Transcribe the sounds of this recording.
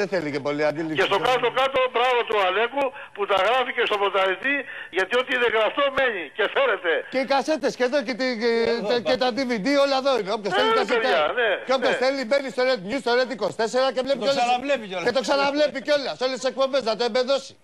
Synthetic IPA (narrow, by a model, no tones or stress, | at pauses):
ðeθelikepoliad̪ilikest̪okat̪okat̪obɾavot̪ualeku | put̪ɐɣɾaficest̪opɾot̪ait̪iʝɐt̪iot̪iiðeɣɾast̪omeɲicefeɾet̪e̞kekaset̪eskeðoket̪i | ket̪ad̪ivid̪ioʎaðoineopkest̪elikaseanekeopkesθelimenist̪oɾet̪ɲust̪olet̪̬ikost̪eseɣakevlepioaavlepioket̪oksanavlepikeolɐsolesek̚pombezðat̪ebeðosi̥